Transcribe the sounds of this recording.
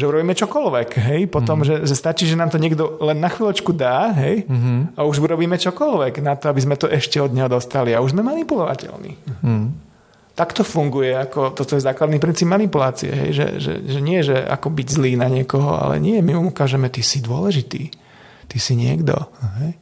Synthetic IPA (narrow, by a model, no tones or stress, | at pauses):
ʒɛuɾɔbiːmɛt͡ʃɔkɔlʋɛkɦɛjpɔt̪ɔmʒɛʒɛst̪at͡ʃiːʒɛnaːmt̪ɔɲɪɛɡd̪ɔlɛnːaxʋiːlɔt͡ʃkud̪aːɦɛjauʒuɾɔbiːmɛt͡ʃɔkɔlʋɛɡnat̪ɔabizmɛt̪ɔʔɛʃcɛɔd̪ɲɛɦɔd̪ɔst̪aliauʒzmɛmanipulɔʋa̰cɛ̰lnḭ | t̪akt̪ɔfuŋɡujɛakɔt̪ɔt̪ɔjɛzaːklad̪nipɾint͡siːbmanipulaːt͡siɛ̰ɦɛ̰jʒɛ̰ʒɛ̰ʒɛɲɪɛʒɛa̰kɔbiɟzliːnaɲɪɛkɔɦɔ̰a̰lɛ̰ɲɪɛmiumukaːʒɛmɛt̪isid̪ʊɔlɛʒit̪ḭː | t̪isiɲɪɛɡd̪ɔ̰ɦɛj